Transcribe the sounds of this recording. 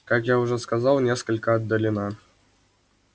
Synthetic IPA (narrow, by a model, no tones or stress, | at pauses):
kɑkjauʐɛskazɑlˠnʲeskəlʲkəɐd̪ːəlʲinɑ